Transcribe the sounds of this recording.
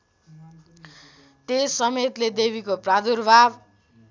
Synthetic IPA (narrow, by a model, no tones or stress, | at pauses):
t̪esʌmet̪led̪ebʱikoprad̪urbʱab